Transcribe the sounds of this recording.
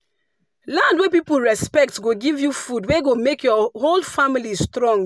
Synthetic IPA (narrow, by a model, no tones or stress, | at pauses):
lãndwepipul̩ɹɛspɛk̚tɡoɡivjufudweɡomekjɔholfamilistɹɔ̃ŋ